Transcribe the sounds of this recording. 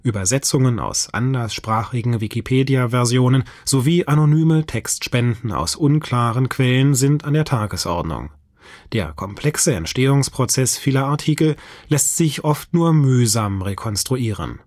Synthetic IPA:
ʔyːbɐzɛt͡sʊŋəna̰ʊsʔa̰ndɐsʃpʁ̥aːχɪɡŋ̩vikʰipʰeːdiavɛɐzjoːnən | z̥oviːʔanonyːmətʰɛkstʃpɛndn̩a̰ʊsʔʊnkʰl̥aːʁənkʰv̥ɛlənzɪntʰandeːɐtʰaːɡəsʔɔ̰ɐdnʊ̰ŋ | d̥eːɐkʰɔmpʰl̥ɛksəɛ̰ntʃteːʊŋspʁ̥ot͡sɛsfiːlɐaɐtʰiːkl̩lɛstz̥ɪçʔɔftnuːɐmyːzaːmʁekʰɔnstʁ̥uʔiːʁə̰n

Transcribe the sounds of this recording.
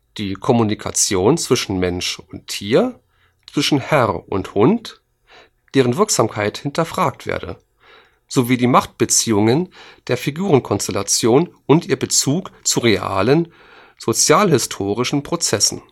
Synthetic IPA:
d̥iːkʰɔmunikʰa̰t͡sjoːnt͡sv̥ɪʃn̩mɛnʃʊntʰːiːɐ | t͡sv̥ɪʃn̩hɛʁʔʊ̰nthʊnt | d̥eːʁ̞ənvɪɐkz̥aːmkʰaɪthɪntʰɐfʁ̥aːk̚tv̥ḛːɐdə̰ | z̥oviːdiːmaχt̚b̥ət͡siːʊŋənd̥eːɐfiɡuːʁənkʰɔnstɛlat͡sjoːnʊntʔiːɐbət͡suːkt͡suʁeʔa̰ːlən | z̥ot͡sjaːlhɪstʰoːʁ̞ɪʃn̩pʁ̥ot͡sɛsn̩

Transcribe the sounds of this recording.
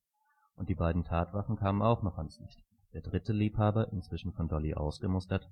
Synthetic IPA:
ʔʊntd̥iːbaɪdn̩tʰaːtv̥aχn̩kʰaːmənaʊxnɔχanslɪçt | d̥eːɐdʁɪtəliːphaːbɐʔɪnt͡sv̥ɪʃn̩fɔndɔliʔa̰ʊsɡ̥əmʊstɐt

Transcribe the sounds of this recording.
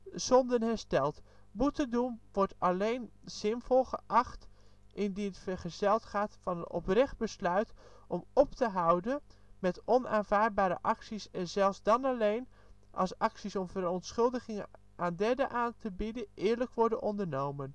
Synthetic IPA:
sɔndənɦɛɹstɛlˠt | butədumʋɔɹtɑlejnz̥ɪnvɔlˠχəʔɑχt | ʔɪndinətfəɹχəz̥ɛlˠtχaːtfɑnənɔ̰prɛχd̚bəslœɥt | ɔmɔptəɦʌwdənmɛtɔnaːnvaːɹd̚baːɾə̰ʔɑksisɛnzɛlˠfzdɑnɑlejn | ʔɑ̰lˠsɑksisɔmvəɾɔntsχɵlˠdəχɪŋə | ʔaːndɛɹdəʔaːntəbidəʔɪːɹləkʋɔɹdənɔndəɹnowmən

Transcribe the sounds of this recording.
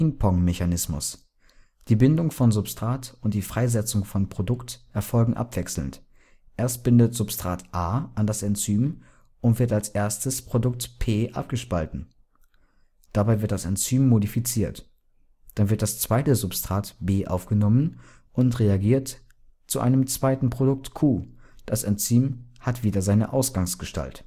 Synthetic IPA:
ɪŋpʰɔŋmeçanɪsmʊ̰s | d̥iːbɪndʊŋfɔnzʊpstʁ̥aːtʊntd̥iːfʁ̥aɪzɛt͡sʊŋfɔnpʁ̥odʊktʔɛɐfɔlɡŋ̩ʔa̰pv̥ɛksl̩nt | ʔɛɐst̚b̥ɪndətz̥ʊpstʁ̥aːtʔaːʔandasɛnt͡syːm | ʔʊntv̥ɪɐtalsʔeːɐstəspʁ̥odʊk̚tpʰeːʔa̰p̚ɡ̥əʃpaltn̩ | d̥abaɪvɪɐt̚dasɛnt͡syːmːodifit͡siːɐt | d̥anvɪɐt̚d̥ast͡sv̥aɪtəzʊpstʁ̥aːtb̥eːʔaʊfɡ̥ənɔmən | ʔʊntʁeaɡiːɐt | t͡suʔa̰ɪnəmt͡sv̥aɪtn̩pʁ̥odʊk̚tkʰuːd̥asɛnt͡syːmhatv̥iːdɐzaɪnəʔaʊsɡ̥aŋsɡ̥əʃta̰lt

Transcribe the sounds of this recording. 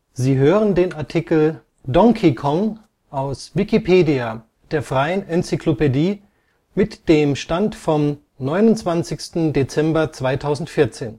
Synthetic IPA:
ziːɦøːʁəndeːnaɐtʰikl̩ | dɔŋkʰikʰɔŋ | ʔaʊsvikipʰeːdia | d̥eːɐfʁ̥aɪənɛnt͡sikʰlopediː | mɪtd̥eːmʃtantfɔm | nɔʏnʊntt͡sv̥ant͡sɪçstn̩det͡sɛmbɐt͡sv̥aɪtʰaʊzn̩tfɪɐt͡seːn

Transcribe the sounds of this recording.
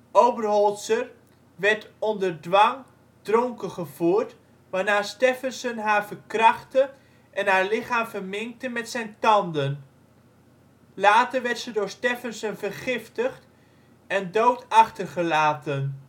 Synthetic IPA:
ʔowbərɦɔlˠsər | ʋɛɹtɔndəɹdʋɑŋ | d̥rɔŋkəχəvuːɹt | ʋaːnaːstefənsənɦaːɹvəɹkrɑχtə | ʔɛnɦaːɹlɪχaːmfəɹmɪŋk̚təmɛtsɛjntɑndən | laːtəɹʋɛɹtsədʊːɹstefənsənvərχɪftəχt | ɛndowtɑχtərχəlaːtən

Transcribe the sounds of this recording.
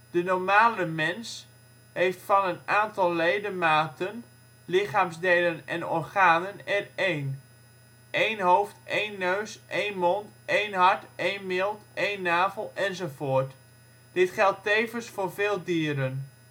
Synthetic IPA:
d̥ənɔɹmaːləmɛns | ɦejftfɑnənaːntɑlˠːejdəmaːtən | lɪχaːmzdejlənɛ̰nɔrχaːnənɛrejn | ʔejnɦowftʔejnːøɥsʔejnmɔntʔejnɦɑɹtejnmɪlˠtʔejnːaːvəlˠɛnzowvoːɹt | d̥ɪtχɛlˠtejvənsfʊːɹveːlˠdiːɾən

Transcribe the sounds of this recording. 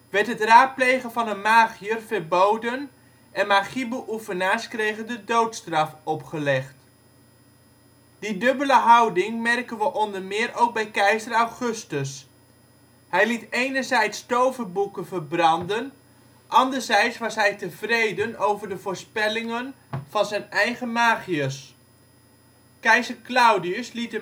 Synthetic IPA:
ʋɛɹtɦətraːt̚plejχənvɑnənmaːχiərvəɹbowdən | ʔɛnmaːχibəʔufənaːskrejχəndədowtstrɑfɔpχəlɛχt | d̥idɵbələɦɑwdɪŋmɛrkənʋəʔɔndərmɪːrowk̚bɛjkɛjsərawχɵstəs | hɛjlitejnəɹzɛjtstowvəbukənvəɹbrɑndən | ʔɑndəɹzɛjtsʋɑsɦɛjtəvrejdənowvəɹdəvʊːɹspɛlɪŋən | v̥ɑnzɛjnɛjχəmaːχiəs | kɛjzəklawdiəslitə

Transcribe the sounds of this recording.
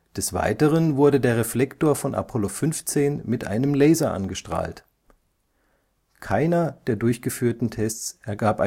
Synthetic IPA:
d̥ɛsv̥a̰ɪtəʁənvʊɐɾədeːɐʁeflɛktoːɐfɔnʔa̰pʰɔlofʏnft͡seːnmɪtʔa̰ɪnəmlɛːzɐʔa̰nɡəʃtʁ̥a̰ːlt | kʰaɪnɐd̥eːɐdʊɐçɡ̥əfyːɐtn̩tʰɛst͡sʔɛɐɡaːpʔa

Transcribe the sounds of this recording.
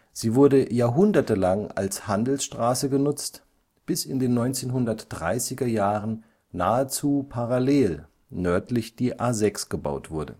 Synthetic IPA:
z̥iːvʊɐdəjaːɐɦʊndɐtəlaŋa̰lshandl̩sʃtʁ̥aːsəɡənʊt͡st | b̥ɪsɪndeːnːɔʏnt͡seːnɦʊndɐtd̥ʁa̰ɪsɪɡɐjaːʁən | naːət͡suːpʰaʁaleːl | nœɐtlɪçd̥iːʔaːzɛksɡ̥əba̰ʊtv̥ʊɐdə̰

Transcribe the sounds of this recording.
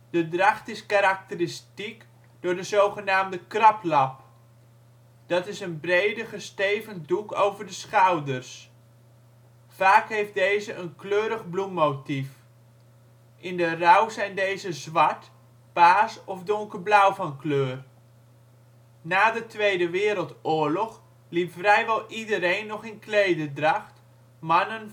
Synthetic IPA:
d̥ədrɑχtɪskaɾɑk̚tərɪstik | dʊːɹdəzowχənaːmdəkrɑplɑp | d̥ɑtɪsənbrejdəχəstejvənduko̰wvəɹdəsχawdərs | faːkɦejft̚dejzəʔənkløːɾəχblumːowtif | ʔɪndərʌwzɛjndejzəzʋɑɹt | paːsɔvdʊŋkərblʌwvɑnkløːr | naːdətʋejdəʋɪːɾəlˠtʊːɹlɔχ | lipfrɛjʋɛlˠidəɾejnːɔχɪnklejdədrɑχt | mɑnən

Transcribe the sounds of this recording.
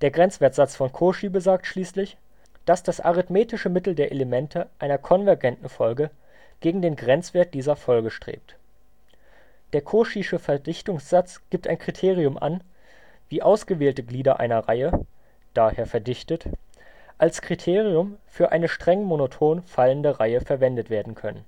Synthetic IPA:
d̥eːɐɡʁɛnt͡sv̥eːɐtz̥at͡sfɔnkʰoʃibəzaːk̚tʃliːslɪç | d̥asd̥asʔa̰ʁɪtmeːtɪʃəmɪtl̩deːɐʔeləmɛntʰəʔaɪnɐkʰɔnvɛɐɡɛntn̩fɔlɡə | ɡ̥eːɡŋ̩deːnɡʁɛnt͡sv̥eːɐt̚d̥iːzɐfɔlɡəʃtʁ̥ḛːp̚t | d̥eːɐkʰoːʃiʃəfɛɐdɪçtʊŋsz̥at͡sɡ̥iːp̚tʔa̰ɪnkʁ̥itʰeːʁ̞iʊmʔa̰n | viːʔaʊsɡ̥əveːltəɡliːdɐʔa̰ɪnɐʁaɪə | d̥aːheːɐfɛɐdɪçtət | ʔalskʁ̥itʰeːʁiʊmfyːɐʔa̰ɪnəʃtʁ̥ɛŋmonotʰoːnfaləndəʁaɪəfɛɐvɛndətv̥eːɐdn̩kʰœnə̰n

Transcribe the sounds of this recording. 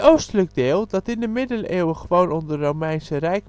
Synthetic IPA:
owstələɡ̚dɪːlˠdɔtɪndəmɪdəleːwəχəʋownɔndərowmɛjnsərɛjk̚

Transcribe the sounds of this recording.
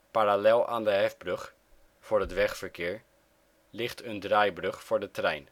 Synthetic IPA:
paɾalɛlˠa̰ːndəɦɛfbrøx | fʊːrətʋɛxfəɹkʰɪːɹ | lɪxtʰəndrajbrɵxfʊːɹdətrɛjn

